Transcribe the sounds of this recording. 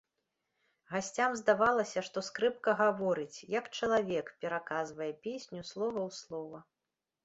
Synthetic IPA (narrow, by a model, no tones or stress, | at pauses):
ɣasʲt͡sʲamzd̪avalˠɐsʲɐʂt̪ɔskɾɨp̚kɐɣavɔɾɨt͡sʲjɐkt͡ʂɐlˠavʲɛkpʲɛɾakazvɐjɛpʲesʲnʲuslˠɔvɐwslˠɔvɐ